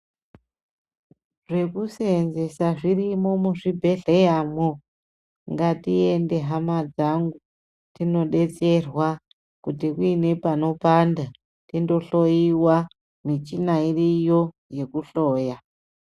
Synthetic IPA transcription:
ʐe̞kusenze̞saʐirimo̞muʐibʱe̞ɮejamo | ŋɡatie̞nde̞ɦamad͡zaŋɡu | tino̞ɗe̞t͡se̞rwa | kutikuine̞pano̞panda | tindo̞ɬo̞jiwa | mit͡ʃinairijo̞ | je̞kuɬoːja

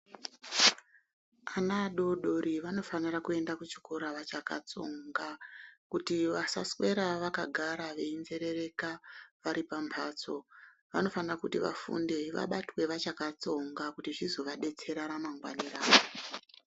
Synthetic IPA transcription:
anaɗo̞ɗo̞ɾiʋano̞fanirakue̞ndakut͡ʃi̥koɾaʋat͡ʃaka̰t͡so̞ŋɡakutiʋasa̰swe̞ɾaʋakaɡʱaɾaʋe̞inze̞ɾe̞re̞kaʋaɾipampʰaːt͡so̞ | ʋa̰no̞fanirakutiʋa̰fṵndeʋa̰ɓatwe̞ʋat͡ʃakat͡so̞ŋɡakutiʐizo̞ʋaɗe̞t͡se̞ɾaɾamaŋɡwa̰niraːʋo

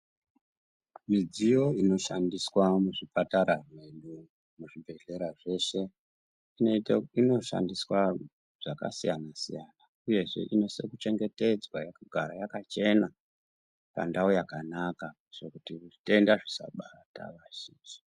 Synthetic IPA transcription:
mid͡zijo̞ino̞ʃandiswamuʐipataɾarwe̞ɗu | muʐibʱe̞ɮe̞ɾaʐe̞ʃe̞ | inino̞ʃa̰ndiswa | ʐ̥aka̰sijanasijaːna | uje̞ʐe̞̰ʔino̞se̞kut͡ʃe̞ŋɡe̞te̞d͡zwajakuɡʱaɾajakat͡ʃe̞na | pa̰ndaojakanaka | ʐ̥okutiuʐi̥te̞ndaʐisa̰ɓata̰ʋaʒiːnd͡ʒi

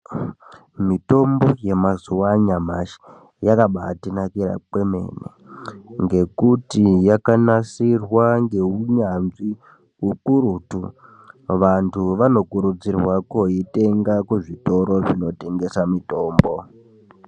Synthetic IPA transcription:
mito̞mbo̞je̞mazuwaɲamaʃi̥ | jakaɓatinakiɾa̰kwe̞me̞̰nḛŋɡe̞kutijakanasirwaŋɡe̞uɲanzi | ukuɾutu | ʋantʰuʋano̞kuɾud͡zirwakoite̞ŋɡakwuʐito̞ɾo̞ʐino̞te̞ŋɡe̞samito̞ːmbo̞

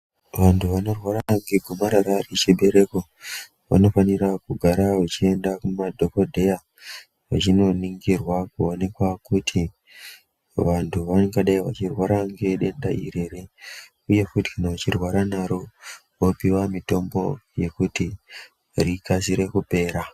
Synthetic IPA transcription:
ʋantʰuʋano̞rwaɾaaɡiɡʱumaɾaɾarit͡ʃiɓe̞ɾe̞ko | ʋa̰no̞fanirakuɡʱaɾawat͡ʃie̞ndakumadʱo̞ko̞dʱe̞ja | ʋa̰t͡ʃino̞niŋɡirwakuo̞ne̞kwakutʰi | ʋantʰuʋaŋɡaɗaiʋa̰t͡ʃirwaɾaŋɡeɗe̞ndaʔḭre̞ɾe | uje̞kuti̥kanaʋat͡ʃirwaɾanaɾo̞ | ʋopiwamito̞mbo̞je̞kuti | rikasiɾe̞kupe̞ːɾa

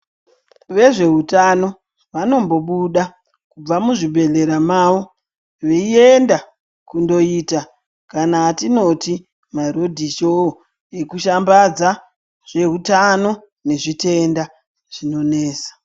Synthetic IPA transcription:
ʋe̞ʐe̞ɦutano̞ | ʋano̞mbo̞ɓuɗa | kub͡vamuʐibʱe̞ɮe̞ɾamaʋo | ʋeie̞nda | kundo̞ita | kanaːtino̞ti | maɾo̞dʱiʃo | e̞kuʃambad͡za | ʐ̥e̞ɦutano̞ | ne̞ʐite̞nda | ʐ̥ino̞ne̞ːsḁ

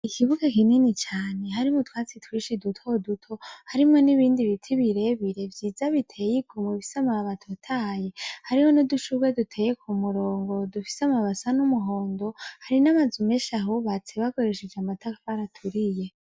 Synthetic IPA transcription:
ikʰiβuɡakininit͡ʃaːne̞ɦaɾimotwaːt͡sitwiːʃidutʰo̞dutʰo̞haɾimŋoniβiːndiβitʰiβiɾe̞βiɾe̞vjiːzaβitʰe̞jiɡumwefisamaβaβatʰotʰaje̞haɾiho̞noduʃuɡwe̞dutʰe̞ːjekʰumuɾo̞ːŋɡo̞dufi̥seamaβasanumuɦo̞ːndo̞haɾinamazume̞ʃaɦuβat͡seβako̞ɾe̞ʃed͡ʒeamatakaβaɾatʰuɾije̞

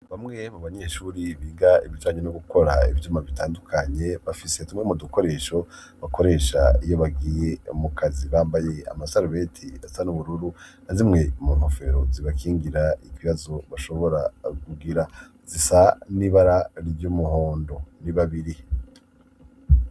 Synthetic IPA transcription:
βamŋe̞muβaɲeʃuːɾiβiːɡaiβid͡ʒaːɲenoɡukʰo̞ɾaḭvjuːmaβitaːndukʰaɲe̞βafise̞tumŋemuduko̞ɾe̞ːʃo̞ | βako̞ɾe̞ːʃa̰ijo̞βaɡijemukʰaziβaːmbaje̞a̰masaɾuβe̞tʰiasanuβuɾuɾunazimŋe̞muːnhofe̞ɾoziβakiːŋɡiɾaikiβazo̞βaʃo̞βo̞ɾaɡuɡiɾa | z̥isaniβaɾaɾɟumuhoːndo̞niβaβiɾi

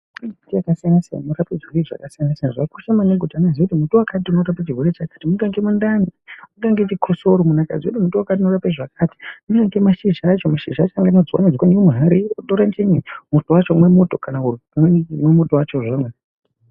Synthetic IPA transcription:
utijakasijanasia̰muɾaped͡ʒieʐa̰kasijanasianaʐakuʃamaneɡʱutanazikutimutowakat̬iunoɾapat͡ʃiɦweɾet͡ʃakḁtimuɡaŋɡemundanimuŋɡaŋɡet͡ʃikʰosoɾomunaka̰d͡ziutimutowakat̬iunorapeʐak̚ʰaːti̥muŋɡaŋɡemaʃiʒːt͡ʃomaʃiʒat͡ʃaŋɡanod͡ziwa̰nod͡zikwaniwomuɦaɾiutoɾant͡ʃeɲimutowat͡ʃomwemutokanakumemwemutowat͡ʃoʐame

